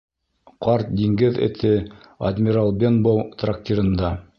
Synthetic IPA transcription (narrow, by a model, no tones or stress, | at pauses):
qɑɾt̪̚d̪iŋɡɘðɘ̰̆t̪ʰɘ | ɐd̪ʲmʲiɾalˠbʲenbowt̪rak̚t̪ʲiɾɤ̆nd̪ɑ